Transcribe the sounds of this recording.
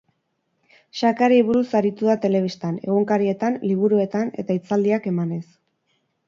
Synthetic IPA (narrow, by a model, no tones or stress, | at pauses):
ʃakaɾiβuɾusaɾit̪uðat̪e̞le̞βist̪ane̞̰ɣ̞uŋkaɾie̞t̪anliβ̞uɾue̞t̪ane̞̰t̪ait͡sald̪iake̞mane̞s